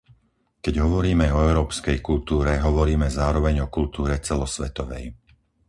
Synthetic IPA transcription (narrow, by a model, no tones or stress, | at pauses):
kɛɟɦɔʋɔɾiːmɛɔɛʊɾɔːpskɛjkult̪uːɾɛɦɔʋɔɾiːmɛzaːɾɔʋɛɲɔkult̪uːɾɛt͡sɛlɔsʋɛt̪ɔʋɛ̰j